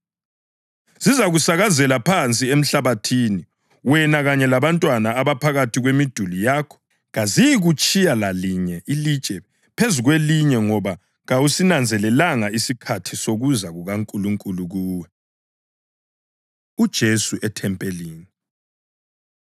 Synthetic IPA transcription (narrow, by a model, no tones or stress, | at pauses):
zizaɣusaɣazɛlapʰant͡sʼiem̩ɬaβatʰini | wɛnaɣaɲɛlaβantʼwanaːβapʰaɣatiɣwemid̥ʱulijaːkʰɔ̥ | ɣazijiɣut͡ʃʼijalaliɲɛʔilit͡ʃʼɛ | pʰezuɣweliɲɛŋɔβa | ɣawusinand͡zʱɛlɛlaŋaisikʰatʰisoɣuzaɣuɣaŋkʼuluŋkʼuluɣuːwɛ | ud̥ʒ̥ʱesuʔɛtʰɛmpʼeliːni